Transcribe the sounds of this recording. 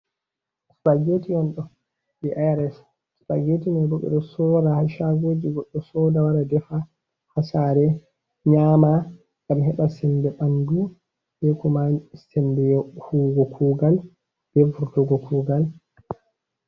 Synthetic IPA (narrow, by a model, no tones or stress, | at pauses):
sɓaɡetijɔnɗɔ | bɛʔaɾɛs | sɓaɡetinabɔɓɛ̰ɗɔsɔɾahaʃaɡoːd͡ʒiɡɔɗːɔsɔdawaɾadɛfa | hasaɾɛ | ɲama | ŋɡ̥amhɛɓasɛmbɛɓandu | bɛkɔmasɛmbɛjɔhuɡɔkʰuːɡal | b̥ɛfuɾtɔɡɔkuːɡal